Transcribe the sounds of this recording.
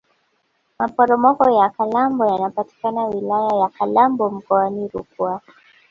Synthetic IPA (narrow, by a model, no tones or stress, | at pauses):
mapɔɾɔmɔkɔjakalambɔjanapati̥kanawilajajakalambɔm̩kɔaniɾukua